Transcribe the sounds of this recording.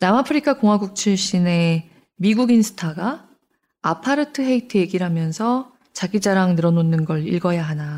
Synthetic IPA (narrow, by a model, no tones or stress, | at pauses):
namapʰɯɾikʰakoŋɦwaɡuk̚t͡ɕʰiɭɕ͈ine̞ | miɡuɡinsʰɯ̥tʰaɡa | apʰaɾɯtʰɯɦe̞itʰɯeɡiɾamjʌnsʰʌ | t͡ɕaɡid͡ʑaɾaŋnɯɾʌnonːɯnɡʌɭḭɭɡʌjaɦana